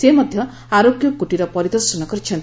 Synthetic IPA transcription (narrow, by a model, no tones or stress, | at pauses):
semɔd̪ʱjɔ | aɾoɡjɔkuʈiɾɔpɔɾid̪ɔɾsɔnɔkɔɾit͡ʃʰen